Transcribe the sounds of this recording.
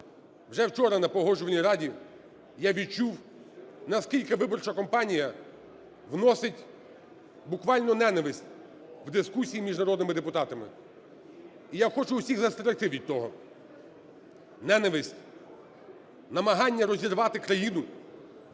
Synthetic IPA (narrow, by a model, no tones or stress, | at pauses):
wʒɛwt͡ʃɔɾɐnɐpɔɦɔʒʊʋɐnʲiɾɑdʲi | jaʋʲid̪̚t͡ʃuw | nɐskʲilʲkɪʋɪbɔrt͡ʃɐkɔmpɑnʲijɐ | ʋnɔsɪtʲ | bʊkʋɑlʲnɔnɛnɐʋɪsʲtʲ | wd̪ɪskusʲijimʲiʒnɐɾɔd̪nɪmɪd̪epʊt̪ɑt̪ɐmɪ̰ | ijaxɔt͡ʃʊːsʲiɣzɐst̪eɾɐxt̪ɪʋʲid̪̚ʲt̪ːɔɦɔ | nɛnɐʋɪsʲtʲ | nɐmɐɦɑnʲːɐɾɔzʲirʋɑt̪ɪkɾɐjinʊ